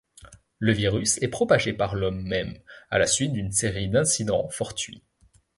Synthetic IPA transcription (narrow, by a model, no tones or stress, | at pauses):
ləviʁysɛpχɔpaʒepaʁlɔmːɛma̰lasɥit̪̚d̪ynseʁid̪ɛ̃sid̪ɑ̰̃fɔʁt̪ɥḭ